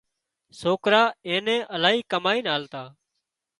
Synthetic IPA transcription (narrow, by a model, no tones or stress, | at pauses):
soːkɾaːẽːnẽːʔəlaːɦiːkəmaːĩːnaːlt̪aː